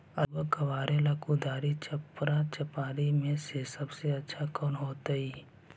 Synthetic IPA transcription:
ɐbəkɐʋaːɾelaːkud̪aːɾit͡ʃɐpɾat͡ʃɐpaːɾimẽsesɐbseɐtːʃʰakɔːnɦoːt̪aiː

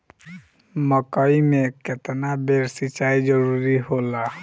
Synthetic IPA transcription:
mɔkɔjmeket̪ɛnabeɾsit͡ʃajd͡ʒɔɾuɾiɦola

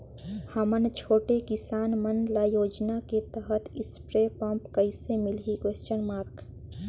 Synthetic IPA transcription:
həmənt͡ʃʰoːʈekɪsaːnmənlajoːd͡ʒnaket̪əɦət̪ɪspɾepə̃mpkəɪsemɪlɦikweːst͡ʃənmaːɾk

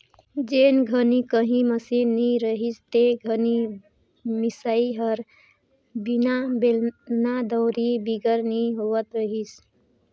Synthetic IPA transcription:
d͡ʒenɡʱənikəɦĩməsinːiɾəɦist̪eɡʱəni | misaiɦəɾ | binabelnad̪əʊɾibiɡəɾniɦowət̪ɾəɦis

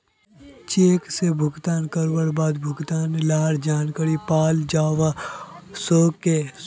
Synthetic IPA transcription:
t͡ʃeːksebʱʊɡt̪aːnkəɾwəɽbaːd̪bʱʊɡt̪aːnlaːɽd͡ʒaːnkaɾipaːld͡ʒaːʋasoːkːe

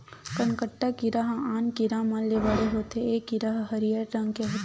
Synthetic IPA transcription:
kənkəʈːakiɾaɦaːnkiɾaːmãleʋɐɽeɦoːt̪eeːkiɾaɦɦɐɾijəɾɾɐ̃ŋɡkeɦoːt̪

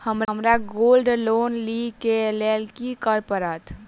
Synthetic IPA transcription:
həməmɾaɡolɖloːnlikelelkikəɾpəɾat̪ʰ

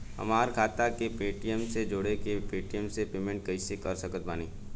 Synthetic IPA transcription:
ɦɐ̰maːɾkʰaːt̪akepeːʈijəmsed͡ʒoːɽekepeːʈijəmsepeːmẽɳʈ̚kɐisekɐɾsəkət̪̚baːniː

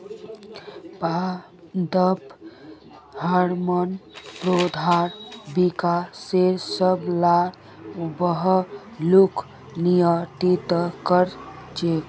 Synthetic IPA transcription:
pa | d̪əp | həɾmənpɾod̪ʱaɾbikaseɾsəbla | bəɦ | lukʰ | nijəʈit̪kəɾ | t͡ʃe

